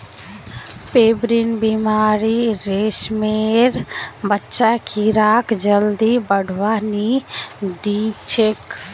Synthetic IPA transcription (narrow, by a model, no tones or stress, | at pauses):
peːbɾinbimaːɾiɾeːʃmeɾbətːʃakʰiɾaːkd͡ʒəld̪ibəɽʱwani | d̪it͡ʃʰek